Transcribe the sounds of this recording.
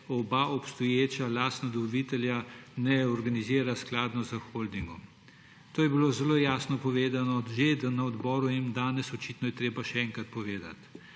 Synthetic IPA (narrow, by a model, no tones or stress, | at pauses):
ɔbaʔɔpst̪ɔjeːt͡ʃalaːst̪nad̪ɔʋɔʋit̪ɛljanɛɔɾɡaniziːɾasklaːd̪nɔzəxold̪iŋɡɔm | t̪oːjɛbilozɛloːjaːsnɔpɔʋeːd̪anɔʒed̪anaɔd̪bɔːɾuimd̪aːnɛsɔt͡ʃit̪nɔjɛt̪ɾeːbaʃɛɛŋkɾat̪̚pɔʋeːd̪a̰t̪